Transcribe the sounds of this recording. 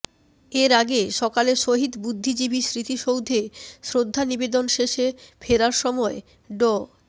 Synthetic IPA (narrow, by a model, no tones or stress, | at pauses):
eɾaɡeʃɔkaleʃoɦid̪bud̪ʱːid͡ʑibisɾit̪iʃowd̪ʱesɾod̪ʱːanibed̪onʃeʃefʰeɾaɾʃɔmɔe | ɖɔ